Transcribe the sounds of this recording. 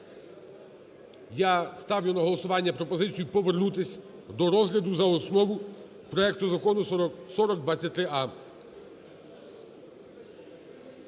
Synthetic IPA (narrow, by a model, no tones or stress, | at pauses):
jast̪ɑwjʊnɐɦɔlˠɔsʊʋɑnʲːɐpɾɔpɔzɪt͡sʲijʊpɔʋernut̪ɪsʲ | d̪ɔɾɔzɦlʲɐd̪ʊzɐɔsnɔʋʊ | pɾɔɛk̚t̪ʊzɐkɔnʊsɔɾɔɡ̚d̪ʋat͡sʲːɐt̚ʲt̪ɾɪɑ